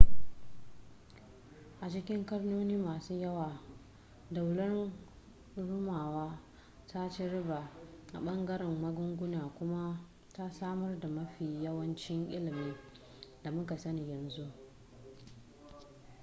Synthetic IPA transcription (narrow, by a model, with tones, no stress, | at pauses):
ʔa˨t͡ʃɪ˦kʲɪ˦ŋkɐ˦rnoː˦niː˦maː˨suː˦jɐ˦waː˨ | da˨wlɐ˦n | ɽʊ˦maː˨waː˦ | ta˦t͡ʃɪ˦ɽɪ˦ba˨ʔa̰˨ɓɐ˦ŋɡɐ˦ɾɪ˨mːɐ˦ɡʊ˦ŋɡʷʊ˦naː˨kʷʊ˦ma˦ | ta˦saː˦mɐ˦rda˨mɐ˦ɸiː˨jɐ˦wɐ˦nt͡ʃɪ˦ŋʔɪ̰˦lɪ˨miː˦ | da˨mʊ˦ka˨sɐ˦ni˨jɐ˨nzu˦ʔ